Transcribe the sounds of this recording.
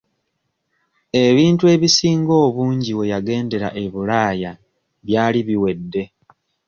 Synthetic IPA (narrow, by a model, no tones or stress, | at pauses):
e̞βiːntue̞ːβisiːŋɡo̞ːβuːɲɟiwe̞jaɡe̞ːnde̞ɾa̰ʔe̞βulaːja | βjaːliβiwe̞dːe̞